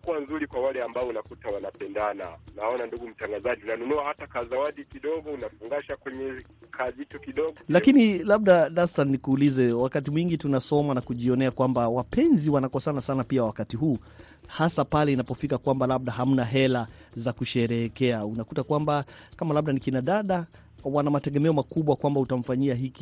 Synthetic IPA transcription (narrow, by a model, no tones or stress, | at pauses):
kuwanzuɾikwawalɛambaɔunakutawanapɛndana̰naɔnanduɡum̩taŋɡazaʄiunanunuahatakazawaɗikiɗɔɡɔunafuŋɡaʃakwɛɲɛkʰazitukiɗɔɡɔlakinilab̚ɗaɗastannikuːlizɛwakat̬imwiŋɡitunasɔmanakuʄiɔnɛakwambawapʰɛnziwanakɔsanasanapiawakatiɦuː | hasapalɛinapɔfikakwambalaɓ̚ɗaɦam̩naɦɛla | zakuʃɛɾɛːkɛaunakutakwambakamalaɓ̚ɗanikinaɗaɗa | wanamatɛɠɛmɛɔmakuɓwakwambautam̩faɲiaɦiki̥